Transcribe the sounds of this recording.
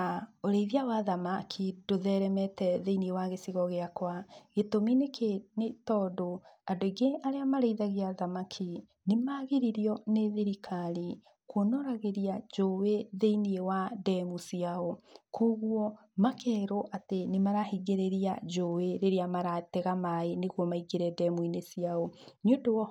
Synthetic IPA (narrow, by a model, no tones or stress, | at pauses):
aoɾeiðjawaðamakʰidoðɛɾɛmɛtɛðeiniewaɣesiɣɔɣeakwaɣetominekenetɔdoadoiɡeʔaɾeamaɾeiðaɣiaðamakʰi | nemaɣeɾiɾiɔneðeɾikʰaɾi | kwonoɾaɣeɾiad͡ʒoweðeiniewadɛmusiaɔkʰoɣwɔ | makʰɛːɾoʔatenemaɾahiɡeɾeɾiad͡ʒoweɾeɾeamaɾatɛɣamaeneɣwɔmaiɡeɾɛdɛmuinesiaɔɲodowɔ